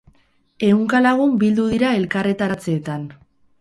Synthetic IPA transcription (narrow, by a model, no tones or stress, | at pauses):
e̞uŋkalaɣ̞umbild̪uð̞iɾae̞lkare̞t̪at͡seːt̪an